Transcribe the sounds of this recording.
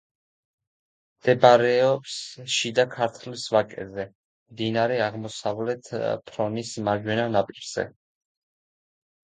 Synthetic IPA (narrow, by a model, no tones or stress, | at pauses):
md̪̥ɛbaɾɛɔpsʃid̪akʰaɾt̪ʰlisvakʼɛ̰zɛ | md̪inaɾɛaʁmɔsavlɛt̪ʰpʰɾɔnismaʒwɛnanapʼiɾz̥ɛ̰